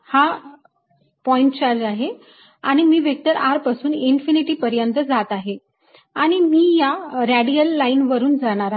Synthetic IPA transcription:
ha | pɔjɳʈt͡ɕaɾd͡ʑaɦe | aɽ̃imiːʋjək̚t̪əɾʔaɾpasuːninfiniʈiːpəɾjənt̪əd͡zat̪aɦe | aɽ̃imiːjaɾaɽiəlːainʋəɾuːnd͡zaɽ̃aɾa

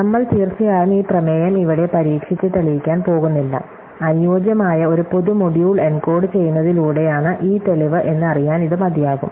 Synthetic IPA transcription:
nɐmːɐɭt̪iːrt͡ɕijaːjumiːprɐmeːjɐmiʋiɽe̞pɐɾiːkʂit͡ɕːɨt̪ɐɭiʋikʲːaːnpo̞ːɣunːilːɐ̰ | ɐnjoːd͡ʑjɐmaːjɐo̞ɾupo̞ðumo̞ɽjuːɭenko̞ːɽɨt͡ɕe̞jːunːɐðiluːɽe̞jaːɳɨʔiːt̪eliʋɨʔe̞nːɨɐrijaːniðɨmɐd̪jaːɣṵm

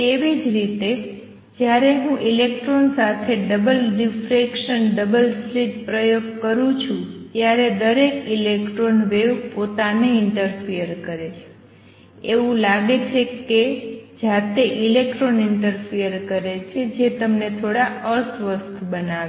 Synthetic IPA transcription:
t̪eʋid͡ʒɾit̪e | d͡ʒjaɾeɦũʔilekʈɾonsat̪ʰeɖəbəlɖifɾekʃənɖəbəlsliʈpɾəjoɡkəɾũt͡ʃʰũt̪jaɾed̪əɾekilekʈɾonʋeʋpot̪aneɪɳʈəɾpʰijəɾkəɾet͡ʃʰe̥ | eʋũlaɡet͡ʃʰeked͡ʒat̪eʔilekʈɾonɪɳʈəɾpʰijəɾkəɾet͡ʃʰed͡ʒet̪əmnet̪ʰoɽaəsʋəst̪ubənaʋ

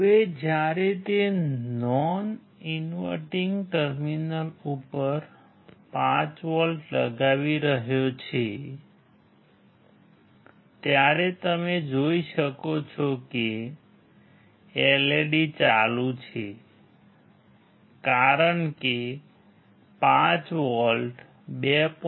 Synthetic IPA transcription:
ʋed͡ʒjaɾet̪enɔn | inʋə̰ʈiŋɡʈəɾminəlupəɾ | pãt͡ʃʋɔlʈlə̰ɡaʋiɾəɦjot͡ʃʰe | t̪jaɾet̪əmed͡ʒoiʃəkot͡ʃʰɔke | eleɽit͡ʃalũt͡ʃʰe | kaɾəɳke | pãt͡ʃʋɔlɖ | bep

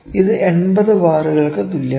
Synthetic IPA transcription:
iðɨʔeɳbɐðɨʋaːruɣɐɭkɨt̪ulːɐ

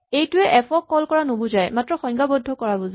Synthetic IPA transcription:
ejtʊɛʔɛpɔkːɔlkɔɹanobʊzajmatɹɔxɔjŋɡabɔdʱːɔkɔɹabɔza

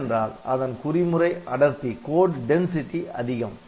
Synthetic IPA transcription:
ndraːlɐðɐnkʊrɪmɯrɐɪʔɐɽɐɾt̪ikoːɖɖɛnsɪʈːiʔɐðɪɣɐm

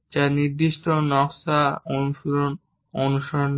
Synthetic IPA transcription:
d͡ʑaɾniɾd̪iʃʈonɔksaonuʃoɾon | onuʃoɾon

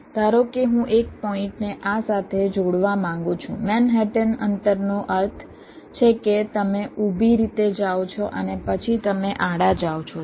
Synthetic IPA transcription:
t̪aɾokeɦũʔek̚pɔɪ̃ɳʈneʔasat̪ʰed͡ʒoɽʋamãŋɡũt͡ʃʰṵ̃mɛnɦɛʈənənt̪əɾnoʔəɾt̪ʰ | t͡ʃʰeket̪əmeubʱiɾit̪ed͡ʒaʋot͡ʃʰoʔənepət͡ʃʰit̪əmeʔaɽad͡ʒawt͡ʃʰo

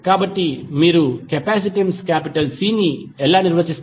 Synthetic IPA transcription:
kaːbɐʈːimiːɾukɛpaːsiʈimskaːpiʈɐlsiːniɛlːaːniɾʋɐt͡ʃis

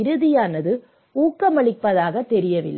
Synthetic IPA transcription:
ɪɾɯðɪjaːnɐðɯ | uːkːɐmɐɭɪpːɐðaːɣɐt̪ɛɾɪjɐʋɪ̰lː

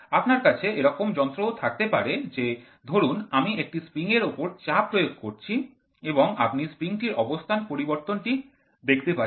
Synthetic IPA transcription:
apnaɾkat͡ɕʰeeɾɔkomd͡ʑɔnt̪ɾot̪ʰak̚t̪epaɾed͡ʑe | d̪ʱoɾunamiek̚ʈispɾiŋeɾopoɾt͡ɕapːɾojoɡ̚koɾt͡ɕʰi | eboŋa̰pnispɾiŋʈiɾʔɔbost̪ʰanpoɾiboɾt̪onʈi | d̪ekʰt̪epa

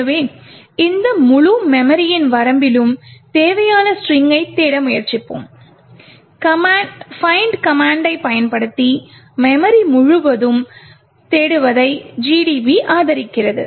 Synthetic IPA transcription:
ɐʋeː | ɪnd̪ɐmʊɻumɛmɐɾɪjɪnʋɐɾɐmbɪlɯmt̪eːʋɐjaːnɐsrɪŋɡɐɪt̪ːeːɽɐmʊjɐɾt͡ʃɪpːɯ̰m | kɐfɐɪɳɖkɐmaːɳɖɐɪpɐjɐnpɐɽɯt̪ːi | mɛmɐɾimʊɻʊʋɐðɯm | t̪eːɽɯʋɐðɐɪd͡ʒiːɖiʋiʔaːðɐɾɪkːɪrɐðɯ̰

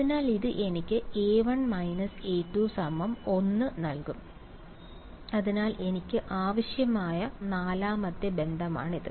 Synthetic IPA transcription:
ɐðinaːliðɨʔe̞nikʲːɨeːʋɐɳmɐjnɐse̞ːtːuːsɐmɐmo̞nːɨnɐlkum | ɐðinaːle̞nikʲːɨʔaːʋɐɕjɐmaːjɐnaːlaːmɐd̪jɐbe̞nd̪ʱɐma̰ːɳiðɨ̰

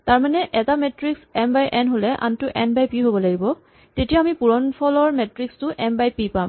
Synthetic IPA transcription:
taɹmanɛʔɛtamɛtɹiksɛmbajʔɛnɦolɛʔa̰ntʊʔɛnbajpiɦobɔlaɡibɔ | tetijaːmipuɹɔnpʰɔlɔɹmɛtɹikstʊʔɛmbajpipam

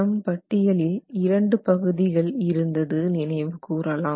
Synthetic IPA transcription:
ɐmpɐʈːɪjɐlɪlɪɾɐɳɖɯpɐɣɯðɪɣɐɭɪɾɯnd̪ɐðɯnɪnɐɪʋɯkuːɾɐlaː

